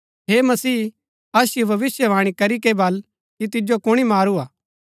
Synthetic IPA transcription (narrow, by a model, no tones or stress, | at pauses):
ɦeːmɐsiː | ɐsjobʱɐʋɪsjəʋãːɽ̃ikɐɾikebɐl | kit̪̬ɪd͡ʒokʊɽ̃imaːɾuaː